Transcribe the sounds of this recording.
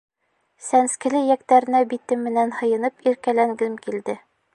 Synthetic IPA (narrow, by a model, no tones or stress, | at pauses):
sænskɘ̆lɘjækt̪æɾɘ̆næbit̪ɘmːɘ̆nænhɤ̆jɤ̆nɤpiɾkælæŋɡɘmkild̪ɘ